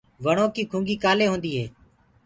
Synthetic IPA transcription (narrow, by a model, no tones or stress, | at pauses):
ʋəɳ̃oːkiːkʰũːŋɡiːkaːleːɦõːnd̪iːɦḛː